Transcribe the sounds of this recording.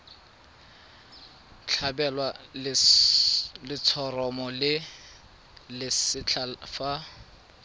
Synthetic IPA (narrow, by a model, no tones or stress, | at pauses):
t͡ɬʰabɛlwal | lɪt͡sʰɔrɔmɔlɪ | lɪsɪt͡ɬʰafa